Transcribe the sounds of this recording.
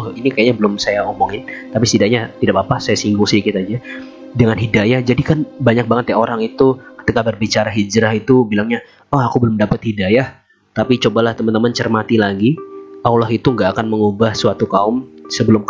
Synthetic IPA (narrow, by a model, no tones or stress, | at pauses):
hinikajaɲabəlʊmsajaomoŋɪnt̪apist̪idaʔɲat̪idapapasajasiŋɡʊŋsikit̪ad͡ʒa | dəŋanɦidajahd͡ʒadikanbaɲak̚baŋət̪jaoɾaŋit̪ukə̥t̪ikabərbit͡ʃaɾaɦid͡ʒɾaɦit̪ubilaŋɲa | ɔhakubəlʊmdapət̪̚hidajah | t̪apit͡ʃobalaht̪əmant̪əmant͡ʃərmat̪ilaɡiawlaɦit̪uŋɡaːkanməŋubahsuat̪ukaʊmsəbəlʊmk